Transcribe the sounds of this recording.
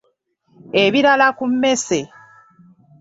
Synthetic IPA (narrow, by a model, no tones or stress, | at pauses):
eβiɾalakumːe̞se̞